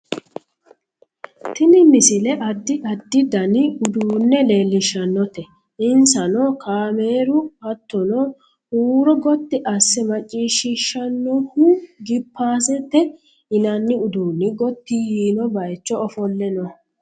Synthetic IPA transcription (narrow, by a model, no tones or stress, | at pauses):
t̪ɪnɪmɪsɪlɛʔɐd̪ːɪɐd̪ːɪd̪ɐnɪʊd̪uːnːɛle̞ːlːɪʃːɐnːɔt̪ɛ | ɪnsɐnɔkʰaːmeːɾʊɐt̪ːɔnɔ | huːɾɔɡɔt̪ːɪʔɐsːɛmɐt͡ʃʼːiːʃɪʃːɐnːɔhuɡɪpːaːs̬ɛt̪ːɛ | ɪnɐnːɪʊd̪uːnːɪɡɔt̪ːijiːnɔbɐjt͡ʃːɔɔfɔlːɛnɔ